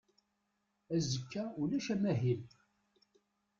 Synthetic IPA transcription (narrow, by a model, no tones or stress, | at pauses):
æzəkʰːæulæʃæmæɦil